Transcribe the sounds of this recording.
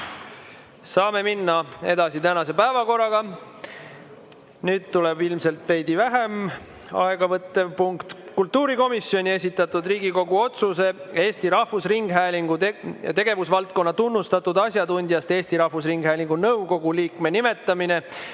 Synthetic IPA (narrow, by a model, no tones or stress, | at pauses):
sɑːme̞minːɑe̞d̪ɑsit̪ænɑse̞pæevɑko̞rːɑɡ̥ɑ | nyːd̪̥̚t̪ulebilmse̞lt̪ve̞jd̪ivæɦem | ɑ̰eɡ̥ɑvɤt̪ːevpuŋkt̪kult̪ːuːɾiko̞misːjo̞nʲie̞s̬ʲit̪ːˑɑt̪ːˑud̪riːɡiko̞ɡuo̞t̪suse̞e̞ːst̪iɾɑhvusriŋɡ̥ɦæːliŋɡut̪e̞ɡe̞vusvɑlt̪̚ko̞nːɑt̪unːust̪ɑt̪ːud̪̥ɑs̬ʲjɑd̪unʲd̪jɑst̪e̞ːsʲt̪iɾɑhvusriŋɡ̥hæːliŋɡ̥unɤwɡo̞ɡ̥uliːkme̞nime̞t̪ːˑɑmine